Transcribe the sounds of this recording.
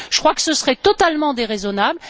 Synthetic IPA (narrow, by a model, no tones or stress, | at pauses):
ʒ̥əkχwakə̥səsəʁɛt̪ɔt̪almɑ̃d̪eʁezɔnabl